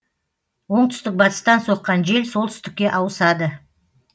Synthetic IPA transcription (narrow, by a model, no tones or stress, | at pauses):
wo̞ɴt̪ʰʏ̥st̪ɪk̚bɑt̪ə̥st̪ɑnso̞qːɑnʒe̞lsolˠt̪ʰʏ̥st̪ɪkʲːe̞ʔɑwəsɑd̪ə